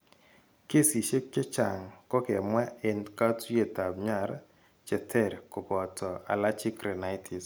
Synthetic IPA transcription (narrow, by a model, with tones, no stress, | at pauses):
ke˦si˨ʃe˦kt͡ʃe˦t͡ʃa˨ŋkɔ˦kɛ˨mwa˦e˨nka˦tu˦je˨ta˨bɲa˦˨ɾ | t͡ʃɛ˨tʰɛ˦˨ɾko˨bɔ˨tʰɔ˨a̰˨la˦t͡ʃi˦kɾɛ˨na˦ɪ˦tʰi˨s